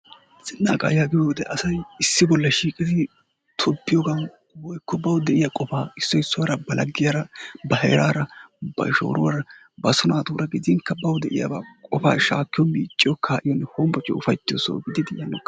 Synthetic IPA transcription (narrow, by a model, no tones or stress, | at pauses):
z̥ɪnːaːkʼa̰ːjaɡɪjoːd̪ɛʔɐsɐjɪsːɪbɔlːɐʃiːkʼɪd̪ɪ | t̪ʰɔbːɪjɔːɡɐn | wɔjkːɔbɐwd̪ɛʔɪjakʼɔfaːɪsːɔɪsːʊwɐɾɐbɐlʔɐɡːɪjaɾɐbɐɦɛ̰ːɾaːɾɐbɐ̰ʃo̰ːɾʊwaɾɐ | bɐsɔnaːt̪uːɾɐɡɪd̪ɪŋkːɐbɐwd̪ɛʔɪ̰ja̰ːbaːkʼɔfa̰ːʃa̰ːkːɪjɔmiːt͡ʃʼːɪjɔkʰːaːʔɪjɔnːɛhoːmbɔt͡ʃʼːɔ̰ʊfɐjt̪ːɪso̰ːɡɪd̪ɪd̪ɪɪjɐnːɛ